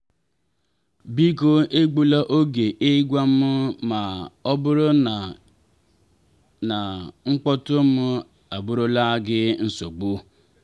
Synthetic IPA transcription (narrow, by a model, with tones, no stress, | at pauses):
bi˦ko˦e˦ɡ͡bu˦la˦ʔo˦ɡe˨ʔe˦ɡʷa˦m̩˦ʊ˦ma˨ɔ˦bʊ˦ɾʊ˦˨ | na˨ŋ͡m̩˦k͡pɔ˦tʊ˦mʊ˦ | a˨bʊ˦ɾʊ˦la˦ɡɪ˦n̩˦so˨ɡ͡bʊ˦